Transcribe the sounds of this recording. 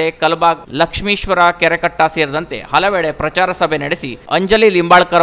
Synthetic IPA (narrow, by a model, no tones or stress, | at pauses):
ekɐlbaɡ̚ləkʂmiːʃʋɐɾakeɾjəkəʈːasiɾd̪ənt̪ḛhɐlɐʋeːɭepɾɐt͡ʃaɾɐsɐbʱeneɽesiə̰ɲd͡ʒəliːlimbaɭkɐɾ